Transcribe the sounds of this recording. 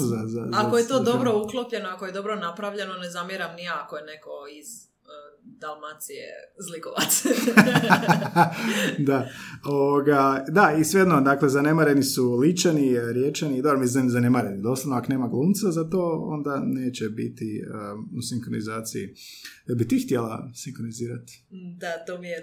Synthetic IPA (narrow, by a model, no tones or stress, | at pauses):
zazazaakojet̪od̪obɾouklˠopʎe̞noakojed̪o̞bɾonapɾaʋʎe̞nonezamjeɾamnijaakojeneko̞iz̥ | d̪alˠmat̪sijḛzlikoʋat̪s | d̪aoʋoɡad̪aisʋejed̪nod̪aːklezane̞maɾenisulit͡ʃaniɾjet͡ʃenid̪obɾomiznemzanemaɾenid̪o̞ːslˠaʋnoakoneːmaɡlˠuːmt̪sazat̪o̞ːo̞̰nd̪ane̞ːt͡ɕebḭt̪iəusiŋkɾonizaːt̪sijḭ | jebit̪ixt̪jelˠa̰siŋkɾoniziːɾat̪i̥d̪at̪omije